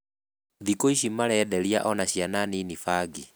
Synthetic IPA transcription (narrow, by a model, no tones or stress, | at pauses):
ðikoiʃimaɾɛːdɛɾja̰ʔɔnaɕjananinifaɡi